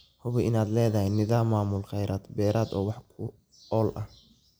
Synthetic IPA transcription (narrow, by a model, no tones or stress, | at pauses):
hʊβɛʔɪnaːd̪lɛːðɐhɛnɪðaːmːaːmʊlqɑjɾʔaːd̪bɛːɾʔaːd̪ɔːwɑħkʰʊ | ɔːlʔɐ̰h